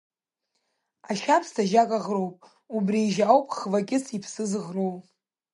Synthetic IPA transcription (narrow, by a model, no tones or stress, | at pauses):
aʃapʰstʰaʒakʼaʁrowpʼ | ubriːʒawpʼχvakʲʼɪsipʰsɨzɨʁrowpʼ